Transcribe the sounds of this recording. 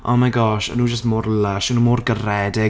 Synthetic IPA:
ʔɔ̰nmajɡɔʃə̰nuːd͡ʒəsmoːɾlaʃənuːmoːrɡərɛdɪ

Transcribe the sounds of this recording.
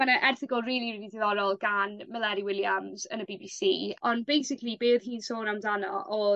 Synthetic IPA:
manaʔɛrθɪɡəlˠriːlˠiididɪðɔɾɔlˠɡanməlˠɛɾiwɪlˠjamzənəbiːbiːsiːɔnbejsɪklˠibeːðhiːnsoːnamdanɔʔɔ

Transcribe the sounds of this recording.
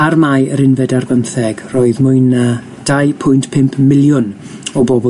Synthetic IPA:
armajəɾɪnvɛdarvənθɛɡ̥rɔːɨðmʊɨna | d̥ajpʰʊjntpʰɪmpʰmɪlˠjʊn | ɔbɔbɔ

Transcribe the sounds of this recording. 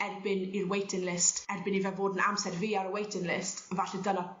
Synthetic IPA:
ɛrbɪnirwejtʰɪnlɪstɛrbɪnivɛvoːdəna̰msɛdviːaɾəwejtʰɪŋlɪstvaɬɛdənɔ

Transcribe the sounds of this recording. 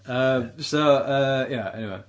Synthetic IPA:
ʌmsoʊʌjæɛ̰niweɪ

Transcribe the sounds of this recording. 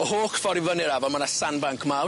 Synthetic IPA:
ɔhoːkfɔɾɪvənɪɾavɔmanasanbaŋkʰmaw

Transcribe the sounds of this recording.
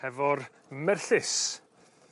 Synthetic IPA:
ɛvɔr | mɛrɬɪs

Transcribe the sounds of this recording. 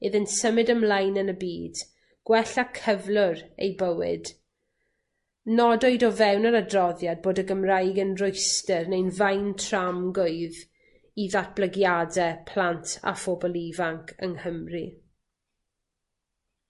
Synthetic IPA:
ɪðɪntsəmɨdəmlajnənəbiːd̥ | ɡ̥wɛɬakʰəvlˠʊɾḛjbəwɪ̰d̥ | nɔdɔɨdɔvɛwnəɾadrɔðjad̚boːdəɡəmrajɡənrʊjstɛrnejnvajntʰramɡʊɨð | iðat̚b̥ləɡjadɛpʰl̥ˠantʰa̰fɔbɔlˠivaŋkʰəŋhəmri

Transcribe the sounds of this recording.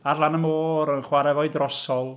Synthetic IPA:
arlˠanəmoːɾənχwaɾɛvɔɨdrɔsɔlˠ

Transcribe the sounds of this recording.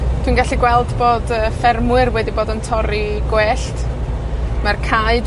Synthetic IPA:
tʰwiːnɡaɬiɡwɛlˠdboːdəːfɛrmwɨrwɛdiboːdəntʰɔɾiɡ̥weːɬt | markʰaɨd

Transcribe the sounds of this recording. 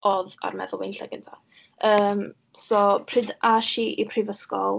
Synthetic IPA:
ɔða̰rmɛðʊlˠejnɬaɡəntʰa | əːm | sɔpʰr̥ɪdaʃiʔipʰrɪvəskɔlˠ

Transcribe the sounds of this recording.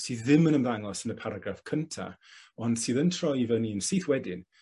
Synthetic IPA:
siːðːɪmənəmðaŋɔsənəpʰaɾaɡrafkʰəntʰa̰ɔnd̥sɨːðəntʰrɔjivəniənsiːθwɛdɪn

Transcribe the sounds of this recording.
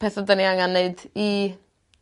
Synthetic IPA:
pɛθɔdəniaŋanːeɨdi

